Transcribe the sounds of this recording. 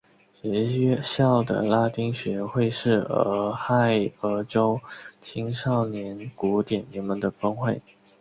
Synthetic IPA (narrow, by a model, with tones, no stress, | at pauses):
ɕɥɛ˧˥ɛ˥˧ɕjɑ˥˩ʊd̪ə̰˩la˥t̪i˥ŋɕɥɛ˧˥xwe˥˧ɪʂɻ̩˥˩ə̰˧˥˧xa˥˩ɪə˧˥ʈ͡ʂo˥ʊt͡ɕʰi˥ŋʂɑ˥˩ʊnjɛ˧˥nku˧˥t̪jɛ˨˩nnɛ˧˥nmə˧nd̪ə˧˩fɤ˥ŋxwe˥˩ɪ